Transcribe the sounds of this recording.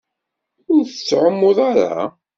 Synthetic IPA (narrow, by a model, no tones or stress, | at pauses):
ʊɾθət͡sːʕəmːʊðˤaɾa̰